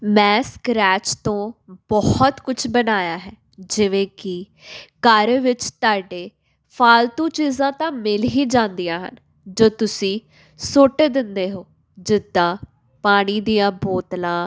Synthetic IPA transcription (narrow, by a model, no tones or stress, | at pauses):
mɛ̃ːskɾɛːt͡ʃt̪õːbɔht̪kʊt͡ʃʰbənaːjaːɦɛː | d͡ʒɪʋẽːkɪ | kəɾʋɪt͡ʃt̪aːɖeː | pʰaːlt̪ũːt͡ʃiːzãːt̪ãːmɪlɦiːd͡ʒãːnd̪ijãːɦə̰n | d͡ʒoːt̪ʊsĩː | soːʈeːd̪ɪnd̪eːɦoː | d͡ʒɪd̪ːãː | paːɽ̃iːd̪ijãːboːt̪lãː